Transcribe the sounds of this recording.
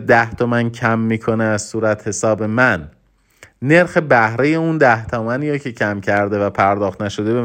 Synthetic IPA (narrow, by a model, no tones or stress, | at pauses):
d̪æht̪ʰomæncʰæmːiːkʰo̞neæzsuːɾæt̪he̞sɒːbe̞mænː | e̞ɾxe̞bæhɾe̞je̞und̪æht̪ʰɒːmæniːɾɒcʰe̞cʰæmcʰæɾd̪e̞væpʰæɾd̪ɒːxt̪næʃo̞d̪e̞be